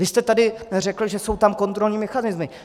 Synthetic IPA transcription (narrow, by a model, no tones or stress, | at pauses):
vɪst̪ɛt̪adɪrɛkl̩ʒɛso̞wt̪amko̞nt̪ɾo̞lɲiːmɛxanɪzmɪ